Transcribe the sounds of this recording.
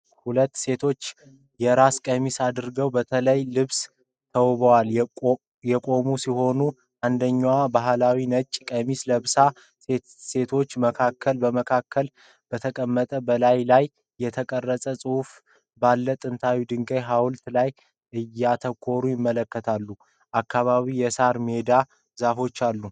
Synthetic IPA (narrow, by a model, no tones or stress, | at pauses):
hulət̪ːse̞t̪ʰo̞t͡ʃː | jɛɾaskʼəmisad̪ɨɾɡəwbət̪ʰələjlɨβs | t̪ʰəwβəwal | jɛkʼo̞musiho̞nu | ʔand̪əɲːwabaɦlawinət͡ʃʼkʼəmisləβsa | e | se̞t̪ʰo̞t͡ʃːməkʰakʰːəlbəməkʰakʰːəl | b̥ət̪ʰəkʼəmːət̪ʼəbəlajlajː | ɛt̪ʰəkʼərːəsʼəsʼɨhuf | balːət̪ʼɨnt̪ʰawid̪ɨŋɡəjɦawlt̪laj | ʔɨjːat̪ʰəkʰːo̞ɾujɪmːələkːət̪ʰalːu | ʔakʰːaβaβijɛsaɾme̞d̪a | zafo̞t͡ʃːalːu